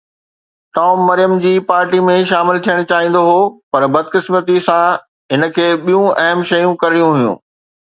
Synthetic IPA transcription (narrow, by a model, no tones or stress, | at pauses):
ʈɔːmːɐɾijəmd͡ʑiːpaːɾʈimẽʃaːmɪlt̪ʰijəɽ̃t͡ɕaːɦĩːn̆d̪oɦoːpɐɾbɐd̪̚kɪsmət̪isã | ɦɪnə̆kʰeːɓijũɐɦəmʃɐjũkɐɾɪɽijũɦʊjṵ̃ː